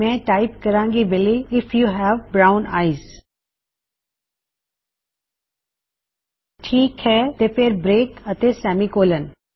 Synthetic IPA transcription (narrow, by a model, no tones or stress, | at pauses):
mɛ̃ːʈaːɪpkɐɾãːŋɡibeliɪfjuɦɛʋbɾaːʊ̃na̰ːɪz | ʈʰiːkhɛːt̪epʰeɾbɾeːkət̪esɛːmikoːlən